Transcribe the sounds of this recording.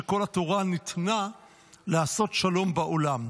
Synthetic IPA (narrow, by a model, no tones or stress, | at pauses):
eko̞lat̪oʁanit̪na | leaso̞tʃalo̞mbaʔolam